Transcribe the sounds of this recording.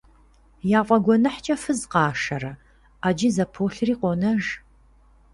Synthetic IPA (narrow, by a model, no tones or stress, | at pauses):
jaːqʷʼɐɡʷɔnɐħt͡ʃʼɐfɨzqɑːʂɐɾɐ | aːd͡ʒɪzɐpʰoːɬɨriːqʷɔnɐʒ